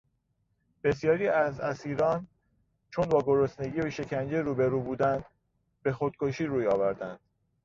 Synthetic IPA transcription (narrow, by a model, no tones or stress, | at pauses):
b̥e̞sjɒːɾiːæzæsiːɾɒːn | t͡ʃʰo̞nbɒːɡo̞ɾo̞sne̞ɟiːoʃe̞cʰænd͡ʒeɾuːbe̞ɾuːbuːd̪ænd̪̥ | be̞xod̪̥̚kʰo̞ʃiːɾuːjɒːvæɾd̪ænd̪̥